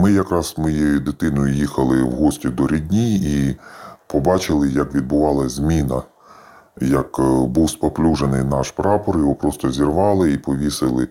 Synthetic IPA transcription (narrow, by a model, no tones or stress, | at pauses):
mɪjɐkɾɑzsmɔjid̪ɪt̪ɪnɔjʊjixɐlˠɪwɦɔsʲtʲid̪ɔɾʲid̪ʲnʲii | pɔbɑt͡ʃɪlˠɪjɐkʋʲid̪̚bʊʋɑlˠɐzʲmʲinɐ | jɐkbuwspɔplʲuʒenɪjnɑʃpɾɑpɔɾjɔʋɔpɾɔst̪ɔzʲirʋɑlˠɪipɔʋʲisɪlˠɪ